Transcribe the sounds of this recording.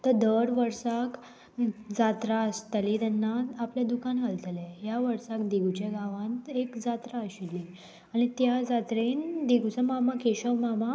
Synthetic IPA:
t̪əɾd̪əɾʋəɾsak | d͡zat̪ɾast̪əlit̪anːaapljad̪ukanɦalt̪lɛjaʋəɾsakd̪iɡut͡ɕaɡaʋãnt̪ekd͡zat̪ɾaəɕilːi | añit̪jad͡zat̪ɾend̪iɡut͡samamakeɕəʋmama

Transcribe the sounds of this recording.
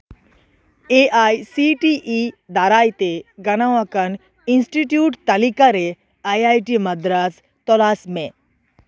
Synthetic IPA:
eʔaːjsiʈiʔid̪aːɾaːjt̪eɡɐñaʋãkɐn | insʈiʈjuːʈt̪ɐlikaɾe | aːjaːjʈimɐd̪ɾas | t̪ɔlaːsmẽ

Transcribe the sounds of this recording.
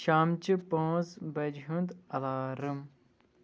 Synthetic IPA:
ʃaːmt͡ʃipõːzbɐd͡ʒɦũnd̪ɐlaːɾɨm

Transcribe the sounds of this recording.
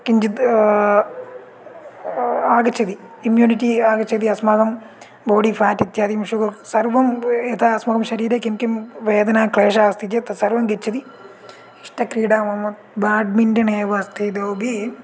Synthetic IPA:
kiɲd͡ʑit̪ | aːɡɐt͡ɕʰɐd̪iː | mjuːnitːiaːɡɐt͡ʃʰːɐd̪iɐsmɐɡɐm | boːɖifʰaːtːit̪jaːd̪ijmʂuɡɐsɐrʋɐmet̪ʰaɐsmɐɡɐmʃɐɾiːɾɐkːimkimʋeːd̪ɐnaːkɭeːʂaːst̪ʰit͡ɕet̪sɐrʋɐmɡet͡ɕːɐði | iʂʈɐkɾiːɽaːmɐmːɐt̪baːɖ̚mindɐneːʋɐst̪ʰid̪oːbi

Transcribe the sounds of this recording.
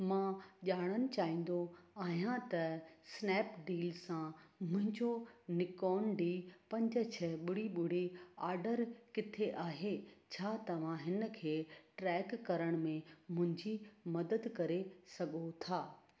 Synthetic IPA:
mãːʄaːɽ̃ənɪ̆t͡ɕaːĩːn̆d̪oaːɦijãt̪ɐsnɛːpɖiːlsãmʊ̃ɦɪ̃ɲd͡ʑonɪkɔːnɖipɐ̃ɲd͡ʑə̆t͡ɕʰɐɓʊɽ̤iɓʊɽ̤iaːɾɖəɾkɪt̪ʰeʔaːɦet͡ɕʰaːt̪ɐʋ̤ãɦɪnə̆kʰeːʈɾɛːkːɐɾəɽ̃mẽmʊ̃ɦɪ̃ɲd͡ʑimɐd̪əd̪kɐɾesɐɡot̪ʰaː

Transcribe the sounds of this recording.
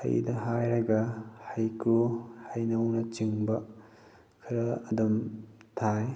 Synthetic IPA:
hɐ̰jdɐɦajɾɐɡɐhɐjkuhɐjnɐwnɐt͡ʃiŋbɐ | kʰɐɾɐːdumtʰaj

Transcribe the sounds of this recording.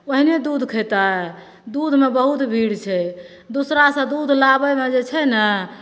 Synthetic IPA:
oɦined̪ud̪ʱkʰəjt̪aɦɛ | d̪ud̪ʱmebəɦut̪bʱiɽt͡ʃʰɛ | d̪usɾasə̃d̪ud̪ʱlabəjmed͡ʒet͡ʃʰɛnə

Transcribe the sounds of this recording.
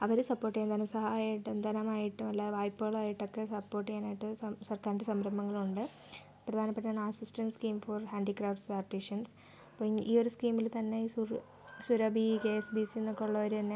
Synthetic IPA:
ɐʋɐɾusɐpːo̞ːrʈːijeɐnd̪ɐnɐmsɐɦaːjaiʈːund̪ɐnɐmaːjiʈːumelːaːʋaːjpːɨɣɐɭaːjiʈːo̞kːe̞sɐpːo̞ːrʈːijaːnaːjiʈːɨɐsɐrkaːɾnɳɖesɐmɾɐmːɐŋːɐɭuɳɖɨ | prɐd̪ʱaːnɐpːeʈːaːɳɐsistɐnskiːmfɐrhaːɳɖikraːfʈsaːpʈːiʂɐns | pːiːo̞ɾuskiːmːilt̪ɐnːesu | suɾɐbikesbisinːokːoɭːɐʋoɾut̪ɐnːe

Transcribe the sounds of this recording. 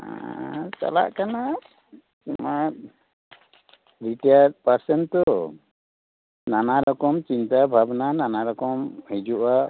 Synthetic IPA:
a̰t͡ʃa̰la̰ʔkana | imat̪̚ | ɾiʈat̚paɾsɛnt̪ɔ | nanaɾɔkɔmt͡ʃint̪abʱabnananaɾɔkɔmhid͡ʒuʔa

